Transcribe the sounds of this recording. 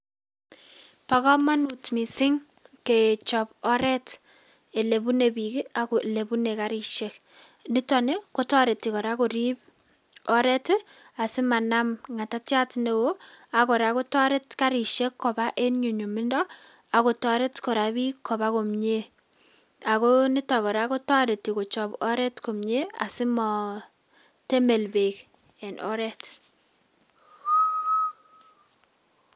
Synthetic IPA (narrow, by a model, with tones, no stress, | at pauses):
pa˨kɔ˦ma˦nutmi˨sɪ˦ŋ | ket͡ʃɔpɔ˦ɾɛ˦t | e˨le˨bu˦ne˨bi˨kaku˨le˨bu˦nekaɾi˨ʃek | nɪ˦tɔne˦ko˦tɔ˦ɾe˨tːikɔ˨ɾako˨ɾip | ɔ˦ɾɛ˦t | a˨sɪ˦ma˨na˦mŋa˨ta˦tja˦tne˨woa˨kɔ˨ɾa˨ko˦tɔ˦ɾe˦tka˦ɾi˨ʃe˦kʰːɔ˨ba˦ʔe˦nɲu˨ɲo˨mɪ˦ndɔ | a˨ko˨tɔ˦ɾe˦tko˨ɾa˨bi˦kʰːɔ˨ba˦ko˨mɲe˦ | a˨konɪ˦tɔ˨kɔ˨ɾako˦tɔ˦ɾe˨ti˨ko˨t͡ʃɔ˨bɔ˦ɾɛ˦tko˨mɲe˦a̰˨sɪ˦mɔ˨ | te˦me˨lbe˨k | ɛ˨nɔ̰˦ɾɛ˦t